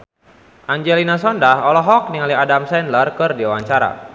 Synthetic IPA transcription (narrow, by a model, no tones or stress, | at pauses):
ʔaɲd͡ʒɛlinasɔndahɔlɔɦɔk̚niŋaliadamsɛnlərkɨrdiawaɲt͡ʃaɾa̰